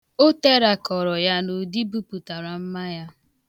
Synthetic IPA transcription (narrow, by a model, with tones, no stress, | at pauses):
o˦te˦ɾa˨kɔ˨ɾɔ˨ja˦no˨di˦bu˦pu˨ta˨ɾa˨m̩˦ma˦ja˦